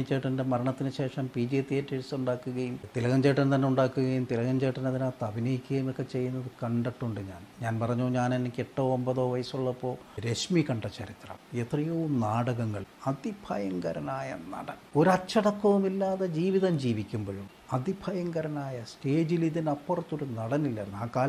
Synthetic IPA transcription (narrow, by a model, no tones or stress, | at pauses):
t͡ɕːeʈːɐndemɐɾɐɳɐt̪ːinɨɕe̞ːʂɐmpiːd͡ʑit̪ːietːiesuɳɖaːkːuɣɐjumt̪ilɐɣɐɲd͡ʑeːʈːɐnt̪ɐnːeuɳɖaːkːuɣɐjumt̪ilɐɣɐɲd͡ʑeːʈːɐnɐðinaːt̪ːɐbʱinɐjikʲːuɣɐjumokːe̞t͡ɕe̞jːunːɐðɨkɐɳɖɐʈːuɳɖɨɲaːnɲaːnpɐrɐɲːoːɲaːnenːikʲːeʈːo̞ːmbɐðo̞ːʋɐjɐsuɭːɐpːo̞ː | ɾe̞ɕmikɐɳɖɐt͡ɕːɐɾit̪rɐ̰met̪rijoʋumnaːɽɐɣɐŋːɐɭɐd̪ibʱʰɐjɐŋɡɐɾɐnaːjɐnɐ̰ɽɐno̞ɾɐt͡ɕːɐɽɐkːɐʋumilːaːðed͡ʑiːʋiðɐmd͡ʑiːʋikʲːumboɻum | ɐd̪ʱibʱɐjɐŋɡɐɾɐnaːjɐste̞ːd͡ʑiliðinɐpːurɐt̪ːo̞ɾunɐɽɐnilːɐːɾnaːkaːl